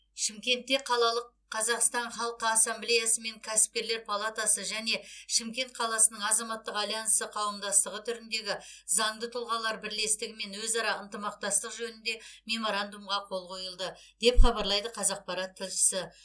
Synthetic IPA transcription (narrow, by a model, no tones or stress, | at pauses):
ʃɪmkʲe̞nt̪ːe̞qʰɑlˠɑlˠəqʰːɑzɑqst̪ɑnχɑlˠqəɑsːamblejasəme̞ŋkʲʰæsɪ̥p̚kʲe̞ɾle̞ɾpʰalˠat̪asəʒæne̞ʃɪmkʲe̞nt̪̚qʰɑlˠɑsənəɴɑzɑmɑt̪ːəqɑljɑnəsəqʰɑwəmd̪ɑst̪əʁət̪ʰʏɾɪnd̪e̞ɡʲɪzɑɴd̪ət̪ʰʊlˠʁɑlˠɑɾbɪɾle̞st̪ɪɡʲɪme̞nwɵzɑɾɑənt̪əmɑq̚t̪ɑst̪əqʒɵnɪnd̪e̞mʲe̞mo̞ɾand̪umʁɑqʰo̞lˠqʰo̞jəlˠd̪ə | d̪e̞pχɑbɑɾlˠɑjd̪əqʰɑzɑq̚pɑɾɑt̪ʰːɪlʃɪ̥sɪ